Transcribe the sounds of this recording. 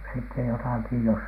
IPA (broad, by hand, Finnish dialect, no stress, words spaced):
sitːe jotɑˑki jos